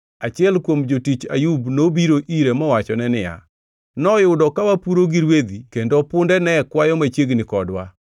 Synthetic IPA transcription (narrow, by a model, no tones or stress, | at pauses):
at͡ʃɪɛlkwomd͡ʒotit͡ʃa̰jubnobiɾoʔiɾemɔwat͡ʃɔnɛnɪja̰ | nɔjʊdɔkawapuɾoɡiɾwed̪ikendopʊndɛnɛkwajɔmat͡ʃjeɡnɪkɔdwa